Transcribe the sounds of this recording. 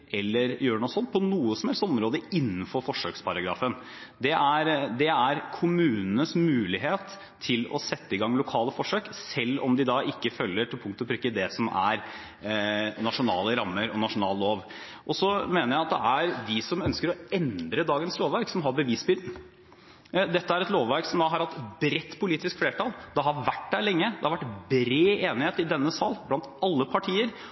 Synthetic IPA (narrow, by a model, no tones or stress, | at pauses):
ʔɛlːəɾjøːɾəɳuːsɔnːpʰɔnuːəsɔm̩hɛlst̪ɔmɾoːd̪əɪnːənfɔɾfɔʂøːkspʰɑɾɑɡɾɑ̰ːfən | d̪ɛʔæɾd̪ɛæɾkʰʊmʉːnənəsmʉːlɪɦeːt̪ʰː | ɪlɔ̰sɛt̪ːəɪɡɑŋːlʊkʰɑːləfɔʂøːksɛlːɔ̰md̪ɪd̪ɑʔɪkːəfœlːəʈʰɪlpʰʊŋkt̪ɔbʰɾʉːkːəd̪ɛsɔmæ̰ɾ | nɑʂʊnɑ̰ːləɾɑmːəɾɔnɑʂʊnɑːlloːʋ | ʔɔsɔmeːnəɾjæɪɑt̪̚d̪ɛ̰ʔæɾʋ̪ɪsɔmœnskəɾɔɛnd̪ɾəd̪ɑːɡənsloːʋæɾksɔmɦɑɾbəʋiːsbʏd̪n̩ | d̪ɛt̪ːəæɾɛt̪loːʋʋæɾksɔmd̪ɑɦɑɾhɑt̪ːbɾɛt̪ːpʰʊliːt̪ɪskfleːʈʰɑld̪ɛɑhɑɾʋæʈ̚d̪æɪlɛŋːəd̪ɛhɑʋæʈbɾeːeːnɪheːt̪ɪd̪ɛnːəsɑlblɑnt̪ɑlːəpʰɑʈʰiːəɾ